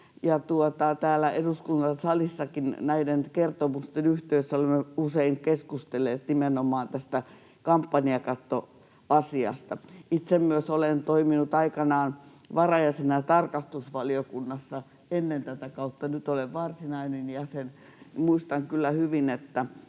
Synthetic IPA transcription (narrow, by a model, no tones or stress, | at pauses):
jɑt̪uot̪ɑt̪æːlːˑæʔeduskunt̪ɑnsɑlisːɑkinnæidenkert̪omust̪enyht̪øysːæolemːeuseiŋkeskust̪elːeːt̪nimenomɑːnt̪æst̪æ | kɑmpːɑniɑkɑt̪ːo | ɑsiɑ̰st̪ɑit̪semmyøsolent̪oiminut̪ɑikɑnɑːn | ʋɑrɑjɑsenɑt̪ɑrkɑst̪usʋɑliokunːɑsːɑ | enːent̪æt̪ækɑut̪ːɑnyt̪oleʋʋɑrsinɑinenjɑsen | muist̪ɑŋkylːæhyʋinet̪ːæ